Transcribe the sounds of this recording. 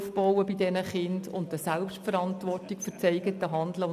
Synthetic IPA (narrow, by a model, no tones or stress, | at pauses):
fb̥ɔwəbɪdɛnəχɪndʊntəsɛlpʃtfəɾɑntʋɔrtɪkfʏt͡sɛɪɡətəɦɑnd̪lə